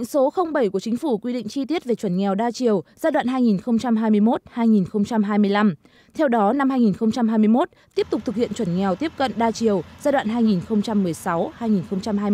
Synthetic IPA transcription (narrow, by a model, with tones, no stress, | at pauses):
ŋso˨˦xə˧wŋ͡mɓə˧˩jku˧˩ət͡ɕï˨˦ŋ̟fu˧˩kwi˧ɗḭ˧˨ŋ̟t͡ɕi˧t̪i˦˥ət̚ve˨˩t͡ɕwə˧˩nŋɛ˨˩wɗaː˧t͡ɕi˨˩əwzaː˧ɗwa̰ː˧˨nɦaː˧jŋi˨˩nxə˧wŋ͡mt͡ɕa˧mɦaː˧jmɨ˧əjmo˦˥t̚haː˧jŋi˨˩nxə˧wŋ͡mt͡ɕa˧mɦaː˧jmɨ˧əjla˧m | t̪ʰɛ˧wɗɔ˨˦na˧mhaː˧jŋi˨˩nxə˧wŋ͡mt͡ɕa˧mɦaː˧jmɨ˧əjmo˦˥t̚t̪i˦˥əp̚t̪ʊ˨˩k͡p̚t̪ʰk̚hḭ˧˨ə˨nt͡ɕwə˧˩nŋɛ˨˩wt̪i˦˥əp̚kə̰˧˨nɗaː˧t͡ɕi˨˩əwzaː˧ɗwa̰ː˧˨nɦaː˧jŋi˨˩nxə˧wŋ͡mt͡ɕa˧mːɨ˨˩əjsa˨˦whaː˧jŋi˨˩nxə˧wŋ͡mt͡ɕa˧mhaː˧j